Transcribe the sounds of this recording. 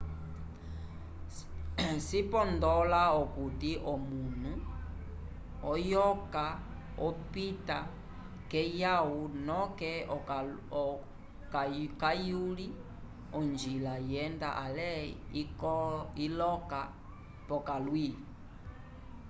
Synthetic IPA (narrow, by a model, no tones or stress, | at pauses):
sipɔndɔlaɔkutiʔɔmun̤u | ɔjɔka | ɔpita | kɛjaunɔkɛ | kakajuli | ɔnd͡ʒilajɛndaʔalɛikilɔka | pɔkalwii